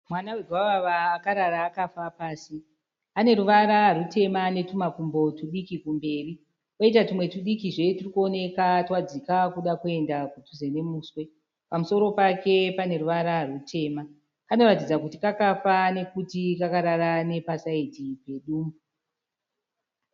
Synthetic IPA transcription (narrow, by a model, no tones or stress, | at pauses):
mwanaweɡʱwaʋaʋaːkaɾaɾaːkafapaːsi | ane̞ɾuʋaɾarute̞mane̞tumakumbo̞tuɗikikumbe̞ːri | woit̬atimwe̞tuɗikiʐe̞turikuo̞ne̞katwad͡zikakuɗakue̞ndakutuze̞ne̞muːswe̞ | pamuso̞ɾo̞pake̞pane̞ɾuʋaɾarutʰe̞ːma | kano̞ɾatid͡zakutikakafane̞kutikakaɾaɾane̞pasaitipe̞ɗuːmbu